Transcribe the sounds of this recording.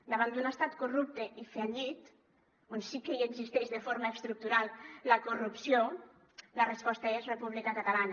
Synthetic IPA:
d̪aβ̞and̪unəst̪at̪kurup̚t̪eʔifeʎit̪ | onsikeieɡzist̪ɛʃðefoɾmaest̪ɾuk̚t̪uɾalˠləkurupsio | lərespɔst̪aezrepuβlikakat̪alana

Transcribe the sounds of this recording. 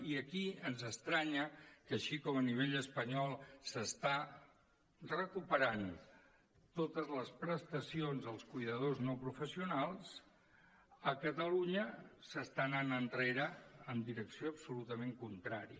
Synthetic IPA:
iəkiənzəst̪ɾaɲəkəʃikɔməniβ̞eʎəspəɲɔlˠsəst̪a | rəkupəɾan | t̪ot̪əzləspɾəst̪əsionzəlˠskujðəðoznɔpɾufəsiunalˠs | əkət̪əluɲəsəst̪ananənreɾəːmd̪iɾəksioəbsulut̪əmeŋkunt̪ɾaɾiə

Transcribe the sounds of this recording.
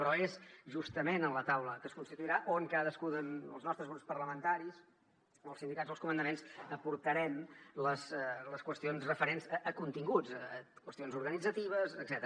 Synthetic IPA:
pɾɔezʒust̪əmenənlət̪awləkəskunst̪it̪uiɾaʔoŋkaðəskuðənə̰lˠznɔst̪ɾəzɣɾupspərləmənt̪aɾis | oəlˠsind̪ikad̪zoəlˠskumənd̪əmensəpuɾt̪əɾɛmləsləskwəst̪ionzrəfəɾenzʔəkunt̪iŋɡut͡səkwəst̪ionzuɾɣənid͡zət̪iβ̞əzəɡz̥ɛt̪əɾə

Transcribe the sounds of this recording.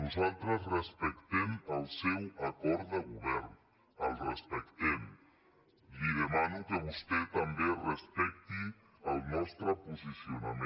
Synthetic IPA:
nuzalˠt̪ɾəsrəspəkt̪ɛməlˠsɛwəkɔɾt̪əɣuβɛrn | əlˠrəspəkt̪ɛm | liðəmanukəβust̪ɛt̪əmberəspɛk̚t̪i | əlˠnɔst̪ɾəpuzisiunamẽ

